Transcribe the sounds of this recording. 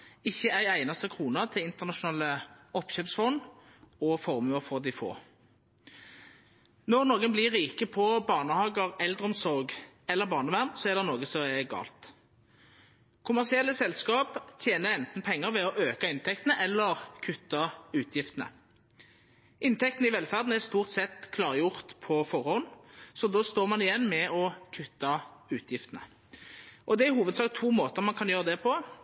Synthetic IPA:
ɪçːəæɪæɪnɑst̪əkʰʁuːnɑt̪ʰɪlɪnt̪əʁnɑʃʊnɑːləɔpɕøːpsfɔn | ɔfɔʁmʉəʁfɔʁd̪ɪfo̰ː | nɔʁnoːɡənblɪʁiːkəpʰɔbɑːʁnəhɑːɡəʁɛld̪ʁəɔmsɔʁɡ | ɛlːəbɑːʁnəʋæʁnsɔɛʁd̪ɛnoːɡəsɔɛɡɑ̰ːlt̪ | kʰʊmæʁsɪɛlːəsɛlskɑːpt̪ʰjeːnəɾɛnt̪n̩pʰɛŋːəʁʋɛɔʔøːkɑɪnt̪ʰɛk̚t̪ənəʔɛlːəʁkʰʉt̪ːɑʉːt̪ʰjɪft̪ənə̰ | ʔɪnt̪ʰɛk̚t̪ənəɪʋɛlfæʁd̪n̩ɛʁst̪uːʁt̪sɛt̪kʰlɑːʁəjʊʁt̪pʰɔfɔʁhɔnsɔd̪oːst̪oːʁmɑnɪjɛnːmɛɔkʰʉt̪ːɑʉːt̪ʰjɪft̪ənə̰ | ʔɔd̪ɛæɦuːʋəd̪sɑːk̚t̪ʰuːmoːt̪əʁmɑnkʰɑnjøːʁəd̪ɛpʰɔ

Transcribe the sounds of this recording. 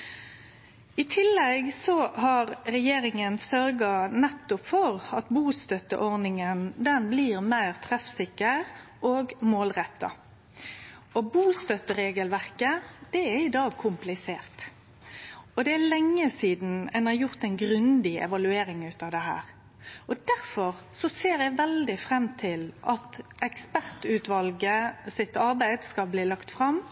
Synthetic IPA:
ɪt̪ʰɪlːɛɡsɔhɑʁɾɛjeːɾɪŋənsœɾɡɑnɛt̪ːʊpfɔʁɑt̪buːst̪œt̪ə̰ʔɔʁnɪŋənd̪ɛnbliːʁmæɪʁt̪ʰʁɛfsɪkːəɾʁ | oːɡmoːlʁɛt̪ːɑ̰ | ɔbuːst̪œt̪ːəɾeːɡəlʋæʁkəd̪̥ɛæɾɪd̪ɑːɡkʰʊmplɪseːʁt̪ | ɔd̪ɛælɛŋːəsiːd̪n̩ɛnɑɾjʊʁt̪ɛnɡɾʉnd̪ɪɛ̰ʋɑlʉeːɾɪŋʉːt̪ɑːʋd̪ɛɦæ̰ːʁ | ɔd̪æʁfɔʁ | sɔseːɾjæɪʋɛld̪ɪfʁɛmːt̪ʰɪlʔɑt̪ɛkspæʁt̪ʉːt̪ʋɑlɡəsɪt̪ːɑʁbæɪd̪skɑlbliːlɑkt̪fʁɑm

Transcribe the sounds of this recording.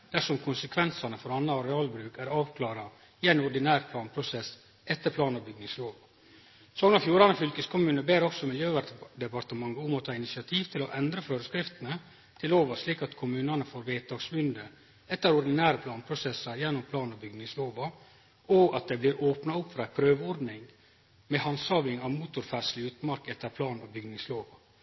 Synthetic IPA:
d̪̥æʂɔmkʰʊnsəkʰʋɛnsɑnəfɔɾɑnːɑɾɛɑːlbɾʉːkæɾɑːʋkʰlɑːɾɑ | ɪɛɪnʊɾɖ̪ɪnæːɾpʰlɑːnpʰɾʊsɛs | ɛt̪ːəɾpʰlɑːnəbʏɡnɪŋsloːʋɑ | sɔːɡnɑfjuːɾɑnəfʏlkəskʰʊmʉːnəbeːɾɔksɔmɪljøːʋæd̪ɛpɑɾt̪əmɑŋɡəʊmɔt̪ʰɑːɪnɪsɪɑt̪ʰiːʋt̪ʰɪlɔʔɛnd̪ɾəføːɾəskɾɪft̪ənə | t̪ʰɪloːʋəʂliːkɑt̪kʰʊmʉːnɑnəfoːɾʋeːt̪ʰɑːɡsmʏnd̪ə | ɛt̪ːəɾʊɾd̪ɪnæːɾəpʰlɑːnpʰɾʊsɛsːɑɾjɛnːʊmpʰlɑːnɔbʏɡnɪŋsloːʋɑ | oːɡɑt̪̚d̪ɛbliːɾoːpnɑʊpːfɾɑɪpʰɾøːʋɔɾd̪nɪŋ | mɛhɑnsɑːʋɪŋɑʋmuːt̪ʊɾfæʂlɪʉːt̪mɑɾkɛt̪ːəɾpʰlɑːnɔbʏɡnɪŋsloːʋɑ

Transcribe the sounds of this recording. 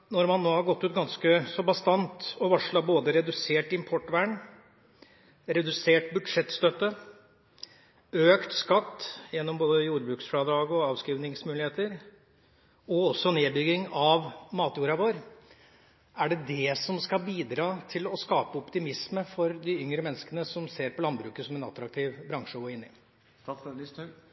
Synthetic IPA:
nɔɾmɑnːoːhɑɾɡɔt̪ːʉːt̪̚ɡɑnskəsɔbɑst̪ɑnt̪ɔʋɑʂɭɑboːd̪əɾɛd̪ʉseːʈɪmpʰɔʈːʋæːɳ | ɾɛd̪ʉseːʈ̚bʉd̪ʂɛt̪ːst̪œt̪ːə | øːkt̪skɑt̪ːjɛnːɔmboːd̪əjuːɾbɾʉːksfɽɑd̪ɾɑːɡɔɑːʋskiːʋnɪŋsmʉːlɪheːt̪əɾ | ɔɔsːɔneːbʏɡɪŋɑʋmɑːt̪juːɾɑʋoːɾ | æɖɛd̪ɛsɔmskɑbiːd̪ɾɑːt̪ʰɪlɔskɑːpəɔpt̪ɪmɪsməfɔɾd̪ɪʏŋɾəmɛnːəskənəsɔmseːɾpʰɔlɑnbɾʉːkəsɔmɛnɑ̰t̪ɾɑkt̪ʰiːʋbɾɑŋʂəɡoːɪnːɪ

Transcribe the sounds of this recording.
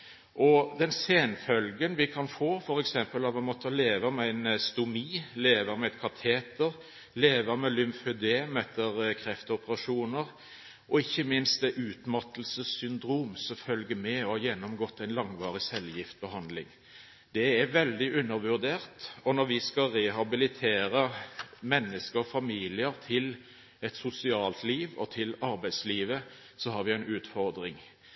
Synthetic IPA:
ʔɔd̪ɛnseːnfœlɡənʋɪkʰɑnfoːfɔɾɛksɛmpəlɑʋɑmɔt̪ʰːəleːʋəmɛæɪnst̪ʊmiːleːʋəmɛɛt̪̚kʰɑt̪ʰeːt̪əɾ | leːʋəmɛlʏmfʉd̪eːmɛt̪ːəɾkʰɾɛft̪əɔpəɾɑʂuːnəɾ | ʔɔɪçːəmɪnst̪̚d̪ɛʔʉːt̪mɑt̪lsəsʏnd̪ɾuːmsɔfœlɡəmɛɔhɑjɛnːɔmɡɔt̪ːæɪnlɑŋʋɑːʁɪsɛljɪft̪̚bəɦɑnd̪lɪŋ | d̪̥ɛɛɾʋɛld̪ɪʔʉnːəɾʋʉɾd̪eːʁt̪ɔnɔɾʋɪskɑʁɛɦɑbɪlɪt̪ʰeːɾəmɛnːəskəɾɔfɑmiːlɪəɾt̪ʰɪl | ɛt̪sʊsɪɑːlt̪liːʋɔ̰t̪ʰɪlɑɾbæɪd̪sliːʋə | sɔɦɑɾʋɪæɪnʉːt̪fɔɾd̪ɾɪŋ

